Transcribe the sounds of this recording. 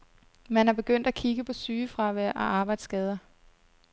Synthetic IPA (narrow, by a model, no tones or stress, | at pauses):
mænæb̥e̝ɡ̥øn̰d̥ækʰiɡ̥əpʰɒ̽syːfʁɑ̈ʋæʔɒʔɑ̈ːb̥ɑ̈ɪ̰d̥sɡ̥ɛːð̞ˠɐ